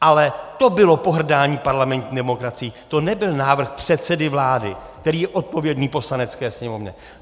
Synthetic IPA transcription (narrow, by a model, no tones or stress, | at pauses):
ʔalɛt̪o̞bɪlo̞po̞ɦr̩daːɲiːpaɾlamɛnt̪ɲidɛmo̞kɾat͡sɪjit̪o̞nɛbɪlnaːvr̩xpr̥ɛt̪sɛdɪvlaːdɪ̰k̚t̪ɛɾiːjɛʔo̞t̪̚po̞vjɛdniːpo̞slanɛt͡skɛːsɲɛmo̞vɲɛ̰